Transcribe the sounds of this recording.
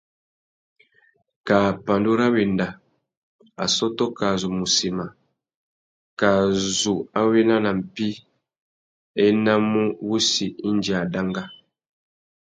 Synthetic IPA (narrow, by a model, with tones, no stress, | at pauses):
ka˨pa˨ndu˦ɾa˦wi˨nda˨ | a̰˨sɔ˦tɔ˦ka˨zu˨mu˨si˨ma˨ | ka˨zu˨a˦wi˦na˦na˨m̩˨pi˦ | ɛ˦na˦mu˦βu˦si˨i˦nd͡ʒi˨a˨da˦ŋɡa˦